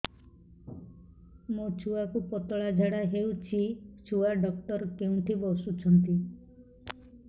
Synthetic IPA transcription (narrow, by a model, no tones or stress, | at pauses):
mot͡ʃʰuakupɔt̪ɔɭad͡ʒʱaɽaɦeut͡ʃʰit͡ʃʰuaɖɔk̚ʈɔɾkeũnt̪ʰibɔsut͡ʃʰɔnt̪i